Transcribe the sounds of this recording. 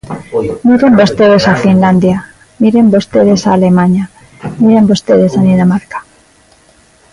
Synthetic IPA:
miɾe̞mbost̪e̞ðe̞safinland̪ja | miɾe̞mbost̪eðe̞saːle̞mãɲa | miɾe̞mbost̪eð̞e̞saninamaɾkḁ

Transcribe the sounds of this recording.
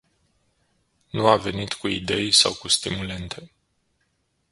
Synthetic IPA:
nuave̞nit̪kuid̪e̞jsawkust̪imule̞nt̪ʰe̞

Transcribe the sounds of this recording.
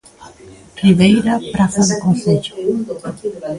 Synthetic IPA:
riβejɾapɾaθaðɪkõnθeʎʊ̥

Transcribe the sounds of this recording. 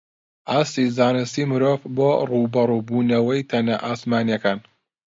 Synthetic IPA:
ʔaːst̪izaːnɨst̪iːmɨɾoːvboːruːbɐɾˤubuːnɐwɐjt̪ʰɐnɐʔaːsmaːnijɐkaːn

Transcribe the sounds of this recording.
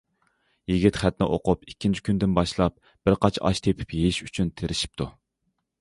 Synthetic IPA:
jiɡʲit̪χæt̪̚nɪʔo̰qʊpikʲʰːint͡ʃʰi̥kʲynd̪ɪnbɑʃlˠɑp̚ | b̥ɪɾqɑt͡ʃʰɑ̰ʃt̪ʰepʰɪ̥pjejiʃyt͡ʃʰynt̪ʰeɾɪʃi̥p̚t̪ʰu

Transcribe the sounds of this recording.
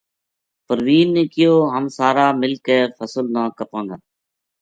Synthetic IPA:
pəɾʋiːnːẽːkɪjoːɦəmsaːɾaːmɪlkeːfəsəlnãːkəpãːd̪aː

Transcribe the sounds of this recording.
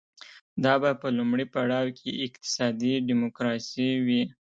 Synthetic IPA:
d̪ɑbapəlumɽipaɽɑwkʰeʔɪqt̪ɪ̥sɑd̪iɖimokɾɑsiwi

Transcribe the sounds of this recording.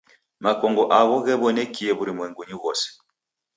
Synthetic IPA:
makɔŋɡɔʔaɣɔɣɛβɔnɛkiɛβuɾimwɛŋɡuɲiɣɔsɛ̥

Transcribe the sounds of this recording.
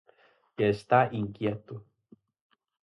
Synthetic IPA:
jeest̪aʔiŋkjet̪u

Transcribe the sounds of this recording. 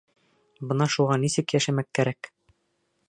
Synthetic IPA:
bɤ̆nɑʃuʁɑnisɘkjæʃæmækːæɾæk

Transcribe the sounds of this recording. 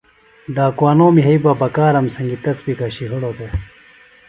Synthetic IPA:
ɖaːkwaːnoːmiɦɐibabɐkaːɾɐmsɐŋɡit̪ɐsbikaɕiɦuɽod̪e

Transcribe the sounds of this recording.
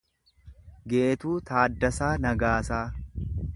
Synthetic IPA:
ɡe̞ːt̪uːt̪aːd̪ːɐsaːnɐɡaːsaː

